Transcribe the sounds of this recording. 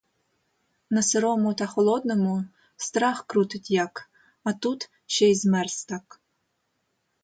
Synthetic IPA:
nɐseɾɔmʊt̪ɑxɔlˠɔd̪nɔmʊ | st̪ɾɑxkɾut̪ɪtʲjɑk | ɐt̪ut̪ | ʃɛjzmɛrst̪ɑk

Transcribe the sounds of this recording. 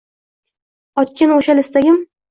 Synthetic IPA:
ɒt̪kʲɪnoʃalɪst̪aɡʲɪm

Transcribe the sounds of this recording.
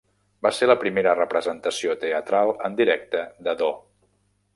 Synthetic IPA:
baseləpɾimeɾərəpɾəzənt̪əsiot̪eət̪ɾalˠənd̪iɾɛk̚t̪əd̪əðo

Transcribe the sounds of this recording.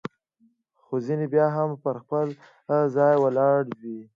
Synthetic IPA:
xozinebjɑɦampəɾxpəl | zɑjwəlɑɽd̪i

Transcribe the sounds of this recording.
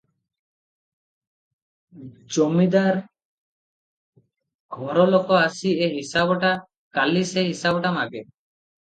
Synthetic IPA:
d͡ʒomid̪aɾ | ɡʱɔɾɔlɔkɔasiʔɛɦisabɔʈa | kalisɛɦisabɔʈamaɡɛ

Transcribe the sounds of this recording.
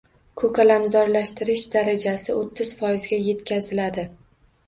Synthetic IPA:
kʰɵkʰʲalamzɒɾlaʃt̪ɪɾɪʃd̪aɾad͡ʒasɪot̪ʰːɪz̥fɒjɪzɡʲaje̞t̪kʲʰazɪlad̪ɪ

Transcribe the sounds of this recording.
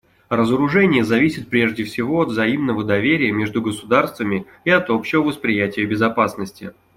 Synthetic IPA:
ɾəzəɾʊʐɛnʲɪjəzɐvʲisʲɪt̪̚pɾʲe̞ʐdʲɪfsʲɪvo̞ɐd̪vzɐimnəvəd̪ɐvʲeɾʲɪjəmʲeʐd̪ʊɡəsʊd̪arst̪vəmʲɪ | ɪɐt̪o̞pɕɪvəvəspɾʲɪjætʲɪjəbʲɪzɐpasnəsʲtʲɪ̰

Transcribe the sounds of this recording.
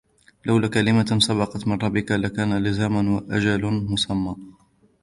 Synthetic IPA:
lʔawlakalɪmasɑbɑqɑt̪mɪnˤɑbːɪkalakaːnalɪzaːmanwaʔad͡ʒalmʊsamːaː

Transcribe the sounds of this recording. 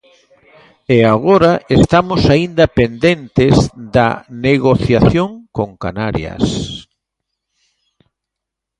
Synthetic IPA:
eaɣoɾaest̪amosaind̪ɐpend̪ent̪ezðɐ̰neɣoθjaθjoŋkoŋka̰naɾjɐ̰s

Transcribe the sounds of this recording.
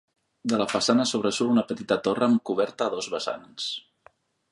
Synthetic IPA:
d̪ələfəsanəsoβ̞ɾəsulunəpət̪it̪ət̪orəːmkuβ̞ɛɾt̪əːðɔzβəsa̰ns

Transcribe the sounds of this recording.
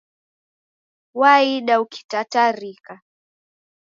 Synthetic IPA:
waiɗauki̥tataɾika

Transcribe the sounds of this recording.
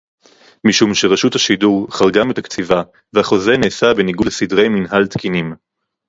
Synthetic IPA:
miʃumʃeʁaʃuthaʃiduʁχaʁɡametakt͡siva | vehaχo̞ze̞neːsabeniɡulesidʁe̞jminɦalt̪kinim

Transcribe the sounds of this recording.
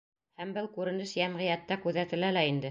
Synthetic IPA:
hæmbɘlˠkʉɾɘ̆nɘʃjæmʁɤ̆jæt̪ːækʉðæt̪ɘ̆lælæind̪ɘ

